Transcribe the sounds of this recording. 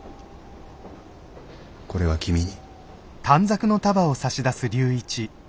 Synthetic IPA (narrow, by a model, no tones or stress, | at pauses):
ko̞ɾe̞βakʲimʲiɲi | t̪ʰãnd͡zakɯ̟no̞t̪abao̞saɕid̪asɨɾʲɨːit͡ɕi